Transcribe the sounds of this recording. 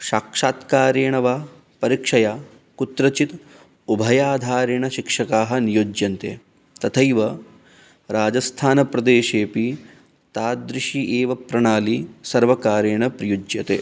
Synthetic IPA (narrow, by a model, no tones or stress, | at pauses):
ʃaːkʂaːt̪kaːɾeːɳɐʋaː | pɐɾikʂɐjaː | kut̪ɾɐt͡ʃit̪ | ubʱɐjaːd̪ʱaːɾeɳɐʃikʂɐkaːɦɐ̆nijoːd͡ʒjɐnt̪ḛː | t̪ɐt̪ʰɐjʋɐ | ɾaːd͡ʒɐst̪ʰaːnɐpɾɐd̪eːʃeːpi | t̪aːd̪ɾiʃiʔeːʋɐpɾɐɳaːlisɐɾʋɐkaːɾeːɳɐpɾɐjud͡ʒjɐt̪ḛː